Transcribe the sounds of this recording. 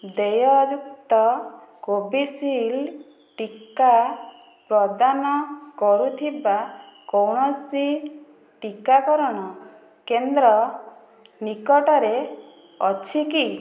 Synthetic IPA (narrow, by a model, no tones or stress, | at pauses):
d̪ejɔd͡ʒuk̚t̪ɔ | kobisil | ʈika | pɾɔd̪anɔkɔɾut̪ʰibakowɽ̃ɔsi | ʈikakɔɾɔɽ̃ɔ | kend̪ɾɔ | nikɔʈɔɾe | ɔt͡ʃʰiki